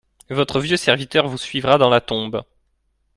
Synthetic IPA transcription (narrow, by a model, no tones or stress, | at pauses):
vɔt̪χəvjøsɛʁvit̪œʁvusɥivʁad̪ɑ̃lat̪ɔ̃b